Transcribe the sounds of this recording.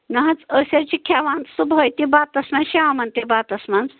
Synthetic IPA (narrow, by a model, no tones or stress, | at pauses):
nɐɦɐt͡səsʲat͡ʃikʲʰaʋãnt̪subɦəjt̪ibaːt̪ɐsmanʃeʋamɐnt̪ibaːt̪ɐsmãnt͡s